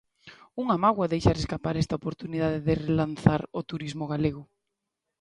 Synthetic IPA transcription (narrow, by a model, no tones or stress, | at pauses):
uŋamaɣwaðejʃaɾeskapaɾɛst̪aopoɾt̪uniðaðeðɪrelanθaɾot̪uɾizmʊɣaleɣʊ